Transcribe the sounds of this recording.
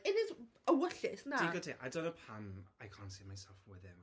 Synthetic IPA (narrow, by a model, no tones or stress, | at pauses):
ɪnɪzəwəɬɪsnadiɡətʰeʔadɔnəpʰamajkʰaːntsiːmajsɛlˠfwɪðɪm